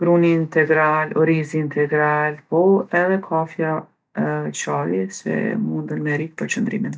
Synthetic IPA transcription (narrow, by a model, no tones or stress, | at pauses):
ɡɾunint̪ɛɡɾalɔɾiziːnt̪ʰɛɡɾalpɔɛðɛkʰafja | t͡ʃalisɛ̰mund̪ənmɛɾik̚pəɾt͡ʃənd̪ɾḭmɛn